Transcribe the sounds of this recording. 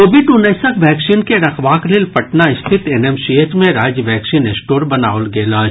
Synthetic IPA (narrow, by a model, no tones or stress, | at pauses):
koːbɪɖʊneːsəkʋɛːksiːnkeɾɐxʋaːklɪlpɐʈnaɪst̪ʰɪt̪enemsit̪mẽɾaːd͡ʒjəʋɛːksiːnesʈoːɾbɐna̰ːolɡeːlaːd͡ʒ